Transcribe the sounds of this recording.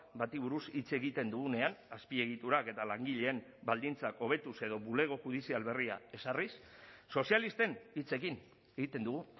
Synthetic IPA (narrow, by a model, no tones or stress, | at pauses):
bat̪iβuɾusit͡se̞ɣit̪e̞nd̪uɣune̞anaspie̞ɣ̞it̪uɾake̞t̪alaŋɡiʎe̞ːmbald̪int͡sako̞β̞e̞t̪use̞ð̞o̞βule̞ɣ̞oʝuð̞isialβe̞ria̰e̞sarisːo̞sialist̪e̞nit͡se̞kin | e̞ɣit̪e̞nd̪uɣu